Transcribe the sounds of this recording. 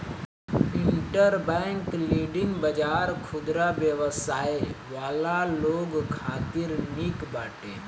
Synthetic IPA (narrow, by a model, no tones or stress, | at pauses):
ɪ̃ɳʈəɾbɛ̃ːŋkliːɖɪŋɡbəd͡ʒaːɾkʰʊd̪ɾabjəʋəsaːeʋaːlaloːɡkʰaːt̪ɪɾniːkbaːʈeː